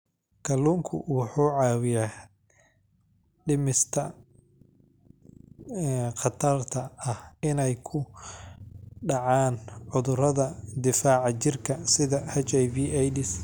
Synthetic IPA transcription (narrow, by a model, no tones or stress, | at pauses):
kʰɐluːŋkʰʊ̰wɑħuːʕɑːwɪjaː | ɖɪmɪst̪ʰɐ | qɑt̪ʰɐrt̪ʰɐɐhɪnɛjkʰʊ | ɖɑʕaːnʕʊðʊɾɐðɐd̪ɪfaːʕɑt͡ʃɪrkʰɐsɪðɐhɐt͡ʃɛjbiːʔɛjdɪs